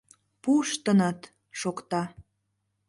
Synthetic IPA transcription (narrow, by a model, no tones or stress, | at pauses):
puʃt̪ənət̪ | ʃokt̪ɑ